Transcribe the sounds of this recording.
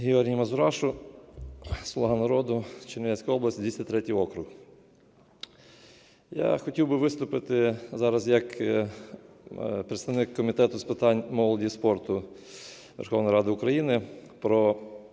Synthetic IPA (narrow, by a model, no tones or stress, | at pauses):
ɦʲɪɔɾʲɦʲijmɐzʊɾɑʃʊ | slˠɔɦɑnɐɾɔd̪ʊt͡ʃenʲɪʋʲɛsʲkʊjɔblɐsʲtʲid̪ʲʋʲisʲt̪ʲɾɛtʲijɔkɾʊh | ja̰xɔtʲiwbɪʋɪst̪ʊpɪt̪ɪzɑɾɐzjɐk | pɾɪt̪st̪ɐwnɪkːɔmʲit̪ɛt̪ʊspɪt̪ɑnʲmɔlˠɔdʲispɔrt̪ʊ | ʋḛrxɔwnjɾɑd̪ɪʊkɾɐjinɪpɾɔ